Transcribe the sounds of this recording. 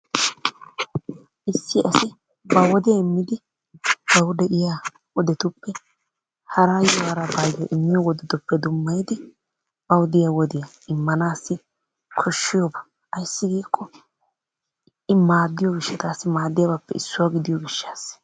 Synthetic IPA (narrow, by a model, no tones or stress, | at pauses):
ʔɪsːɪʔɐsɪ | bɐwɔd̪ɪjaɪmːɪd̪ɪ | b̥ɐwd̪ɛʔɪja | wɔd̪ɛt̪ʊpːɛ | hɐɾaːjɔwɐɾɐbɐjjɔʔɪmːɪjɔwɔd̪ɛt̪ʊpːɛd̪ʊmːɐjd̪ɪ | b̥ɐwd̪ɪjawɔd̪ɪjɐ | ɪmːɐnaːsːɪ | kʰɔʃːɪjɔbɐ̥ | ʔɐjsːɪɡiːkʰːɔ | ɪmaːd̪ːɪjɔɡɪʃːɐt̪aːsːɪmaːd̪ːɪjabapːɛɪsːʊwaɡɪd̪ɪjɔɡɪʃːaːs